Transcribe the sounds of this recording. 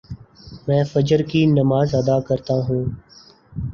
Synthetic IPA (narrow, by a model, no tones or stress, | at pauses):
mɛ̃ːfəd͡ʒəɾkiːnəmaːzəd̪aːkəɾt̪aːɦũː